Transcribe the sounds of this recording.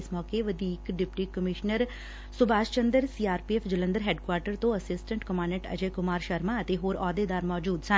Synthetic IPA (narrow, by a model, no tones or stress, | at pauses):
ɪsmɔːkeːʋəd̪iːkɖɪpʈiːkəmɪʃnəɾ | sʊbaːʃt͡ʃənd̪əɾsiːaːɾpiːɛːfʰd͡ʒələ̃nd̪əɾɦɛːɖkwaːɾʈəɾt̪õːəsɪsʈə̃ɳʈkəmãːnəʈə̰d͡ʒeːkʊmaːɾʃəɾmãːət̪eːɦoːɾɔːd̪eːd̪aːɾmɔːd͡ʒuːd̪sə